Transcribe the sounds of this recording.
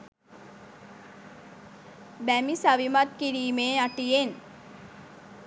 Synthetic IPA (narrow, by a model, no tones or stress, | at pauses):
bæmisaʋimat̪̚kiɾiːmeːaʈijen